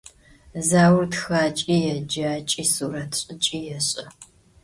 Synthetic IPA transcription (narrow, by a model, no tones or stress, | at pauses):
zaːwʊrtxaːt͡ʃʼijɛd͡ʒaːt͡ʃʼiːsuːɾɐtʰɕʼɪt͡ʃʼiːjɛɕʼɐ